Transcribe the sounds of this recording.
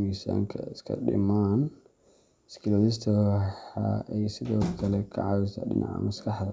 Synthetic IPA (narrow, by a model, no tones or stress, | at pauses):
misa̰ːŋkʰɐɪskʰɐ̰ɗɪ̰maːn | ɪskʰɪlɔːðɪst̪ʰɐħɑ̰ɛjsɪðɔːkʰɐlɛkʰɐ̰ʕɑwɛsɐ̰ɖɪnɑ̰ʕa̰mɐskʰɐħd̪ɐ